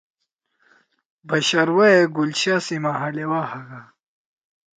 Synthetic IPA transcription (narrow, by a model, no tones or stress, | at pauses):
bɐɕɐɾwaeɡult͡ɕasimaɦɐlewaːhɐɡa